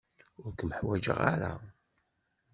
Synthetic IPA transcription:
ʊɾkməħwæd͡ʒə̰ʁaɾa̰

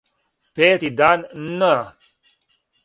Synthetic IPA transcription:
peːt̪id̪aːnnːa

